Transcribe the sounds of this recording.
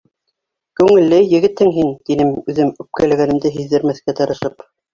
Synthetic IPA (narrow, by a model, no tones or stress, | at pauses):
kʉŋɘ̆lːɘjːɘ̆ɡɘ̆t̪hɘŋɦint̪inɘmʉðɘmʉp̚kælæɣænɘ̆md̪ɘɦiðːɘ̆ɾmæθkæt̪ɑ̆ɾɤ̆ʃɤp